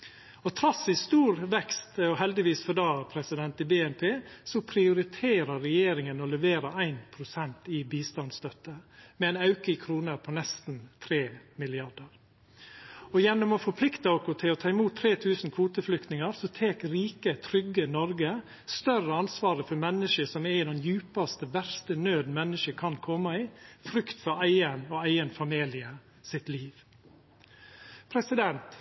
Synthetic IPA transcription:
ɔt̪ʰɾɑsɪst̪uːɾʋɛkst̪ɔɦɛld̪ɪʋiːsfɔɖɑːpʰɾɛsɪd̪ɛnt̪ɪbeːɛnpʰeːsɔpʰɾɪʊɾɪt̪ʰeːɾəɾːɛjeːɾɪŋənɔlɛʋeːɾəæɪnpʰɾʊsɛnt̪ɪbiːst̪ɑnd̪st̪œt̪ːəmɛæɪnɑʉkəɪkʰɾuːnəɾpʰɔnɛst̪n̩t̪ʰɾeːmɪlɪɑɖəɾ | ɔjɛnːʊmɔfɔɾpʰlɪkt̪ɑɔkʊt̪ʰɪlɔt̪ʰɑːɪmuːt̪ʰːɾeːt̪ʰʉːsn̩kʰʋuːt̪əflʏkt̪nɪŋəɾsɔt̪ʰeːkɾiːkət̪ʰɾʏɡənɔɾɡə | st̪œɾəɑnsʋɑːɾəfɔɾmɛnːəʃəsɔmɛɪd̪ɛnjʉːpɑst̪əʋæɾst̪ənøːd̪nmɛnːəʃəkʰɑnkʰɔmːɑiːfɾʏkt̪fɔɾæɪənɔæɪənfɑmeːlɪə | sɪt̪liːʋ | pʰɾɛsɪd̪ɛnt̪

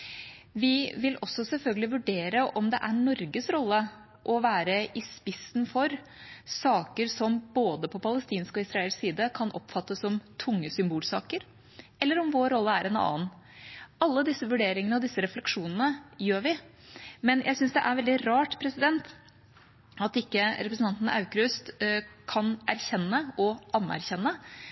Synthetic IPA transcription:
ʋɪʋɪlʔɔsːɔsɛlfœlɡəlɪʋʉɖeːɾəʔɔmd̪ɛʔæɳɔɾɡəsɾɔlːə | ʔɔʋæːɾəʔɪspɪsnfɔɾ | sɑːkəɾsɔmboːd̪əpʰɔpʰɑləst̪iːnskɔɪsɾɑɛlssiːd̪əkʰɑnʔɔpfɑt̪ːəsːɔmt̪ʰʊŋːəsʏmbuːlsɑːkəɾ | ɛlːəɾɔmʋoːɾːɔlːəæɾɛnɑ̰ːn | ɑlːəd̪ɪsːəʋʉɖeːɾɪŋənəɔd̪ɪsːəɾɛflɛkʂuːnənəjøːɾʋɪ | mɛnjʔæɪsʏnsd̪ɛʔæɾʋɛld̪ɪɾɑːʈpʰɾɛsɪd̪ɛnt̪ | ɑt̪ɪkːəɾɛpɾsn̩ɑnt̪ənɑ̰ʉkɾʉst̪kʰɑnʔæɾçɛnːəɔʔɑnæ̰ɾçɛnːə

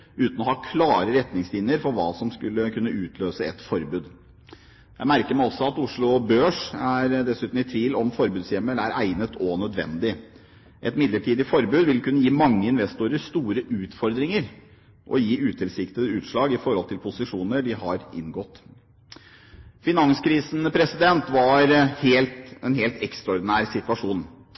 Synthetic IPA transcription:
ʔʉːt̪n̩ɔhɑːkʰlɑːɾəɾɛt̪nɪŋslɪnəɾfɔɾʋɑ̰ːsɔmskʉlːəkʰʉnːəʉːt̪ʰløːsəɛt̪fɔɾbʉːd̪ | jæɪmæɾkəɾmɛɔsɔɑt̪ʊʂɭʊɔbøːʂæɾd̪ɛsʉːt̪n̩ɪt̪ʰʋiːlɔmfɔɾbʉːd̪sjɛmːəlæɾæɪnət̪ʰɔnœd̪ʋɛ̰nd̪ɪ | ʔɛt̪mɪd̪ləʈʰiːd̪ɪfɔɾbʉːd̪ʋɪlkʉnːəjiːmɑŋːəɪnʋɛst̪ʊɾəst̪uːɾəʔʉːt̪fɔɾd̪ɾɪŋəɾ | ʔɔ̰jiːʔʉːt̪ʰɪlsɪkt̪əʉːt̪ʂɭɑːɡɪfɔɾhɔlt̪ʰɪlpʰʊsɪʂuːnəɖɪɦɑɾɪ̰nɡɔt̪ː | fɪnɑnskɾiːsn̩pʰɾɛsɪd̪ɛnt̪ʋɑɾheːlt̪ɛnɦeːlt̪ɛkst̪ɾɑɔɾɖ̪ɪnæːɾsɪt̪ʋɑʂuːn̩

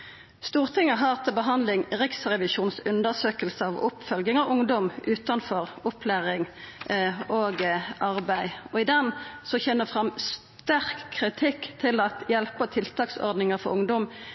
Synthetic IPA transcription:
st̪uːʁt̪ʰɪŋːəɦɑːʁt̪ʰɪlbəɦɑnd̪lɪŋʁɪksʁɛʋɪʃuːnsʉnd̪əʁsøːkəlsəɑʋʊpfœlɡɪŋɑʊŋd̪ɔmʔʉːt̪ɑnfɔʁʊpʰlæːʁɪŋ | oːɡʔɑʁbæɪɔɪd̪ɛnsɔçɛnːəʁfʁɑms | t̪æʁkʰːʁɪt̪ʰɪkːt̪ʰɪlɑt̪jɛlpəɔt̪ʰɪlt̪ʰɑːksɔ̰ʁd̪nɪŋəʁfɔ̰ʁʊŋd̪ɔm

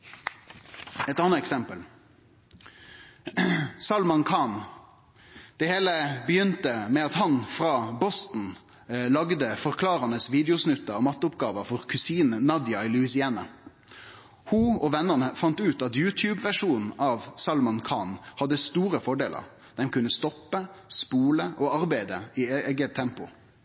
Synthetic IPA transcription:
ɛt̪ɑːnəɛksɛmpəl | sɑlmɑnkʰɑːn | d̪̥ɛheːləbəjʏnt̪əmɛɑt̪hɑnfʁɑːbɔst̪n̩ | lɑɡd̪əfɔʁkʰlɑːʁɑnəsʋiːd̪ɛʊsnʏt̪ːəɔmɑt̪ːəʊpɡɑːʋəfɔʁkʰʉsiːnːɑd̪jɑilʉɪsɪɑːnɑ | hʊɔʋɛnːəʁnəfɑnt̪ʉːt̪ɑt̪jʉːt̪ʰjʉːbʋæʂuːnn̩ɑʋsɑlmɑnkʰɑːnhɑd̪ːəst̪uːɾəfɔɖḛːlə̰ɾ | d̪ɛmkʉnːəst̪ɔpːəspuːləʔɔɑɾbæɪd̪ə̰ɪɛɡət̪ʰːɛmpʊ

